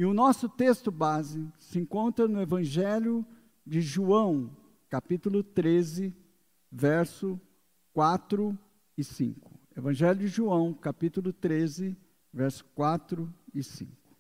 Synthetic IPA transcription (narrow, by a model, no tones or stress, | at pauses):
ɪʊnɔsʊt̪est̪ʊbazɪsɪẽŋkõnt̪ɾɐnʊevɐ̃ʒɛljʊ | d͡ʒɪʒuɐ̃w̃ | kapit̪ʊlʊt̪ɾezɪ | vɛɾsʊ | kwat̪ɾʊ | ɪsḭ̃ŋkʊ̥evɐ̃ʒɛljʊd͡ʒɪʒuɐ̃w̃kapit̪ʊlʊt̪ɾezɪ | vɛɾsʊ̥kwat̪ɾʊɪsḭ̃ŋkʊ̥